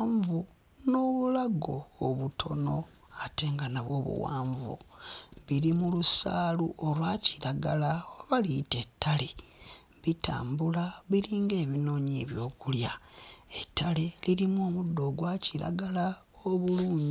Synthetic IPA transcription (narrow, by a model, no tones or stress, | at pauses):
ɱvu | no̞βulaɡoːβutʰo̞no̞ | ate̞ːŋɡanaβo̞ːβṵwa̰ːɱvṵβiɾimulusaːluʔolwaciɾaɡalaoβalite̞tʰːale̞ | βita̰ːmbulaβiɾiːŋɡe̞ːβino̞ːɲeβjo̞ːkuljaetʰːale̞liɾimoːmudːo̞ːɡwaciɾa̰ɡala | oβuluːɲi